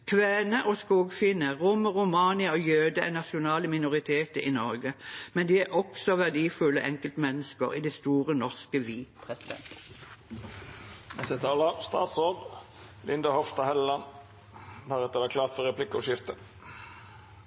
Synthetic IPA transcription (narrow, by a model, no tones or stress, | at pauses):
kʰʋæːnəʔɔskuːɡfɪnəʁʊməʁʊmɑːnɪəoːjøːd̪əæ̰nɑʃʊnɑːləmɪnʊʁɪt̪ʰeːt̪əinɔʁɡəmɛnd̪iːæʔɔksɔʋæʁd̪iːfʉlːəʔɛŋkəlt̪mɛnːəskə̰ʁḭd̪ɛst̪uːʁənɔʁskəʋiːpʰʁɛsɪd̪ɛ̰nt̪ | ɛsɛt̪ʰɑːlɑst̪ɑ̰ːt̪soːd̪lɪnd̪ɑhɔfst̪ɑhɛlːɑn | hæɾɛt̪ːəʋækʰlɑːt̪fɔɾɛpʰlɪkːəɔʃɪft̪ə